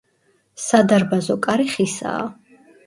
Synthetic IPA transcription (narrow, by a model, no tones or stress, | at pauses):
sad̪aɾbazɔkʼaɾiχisa̰ː